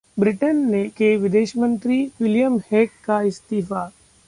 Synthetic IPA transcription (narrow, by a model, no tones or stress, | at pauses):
bɾɪʈənːekeʋɪd̪eːʃmə̃nt̪ɾiwɪljəmheːkːaɪst̪iːfa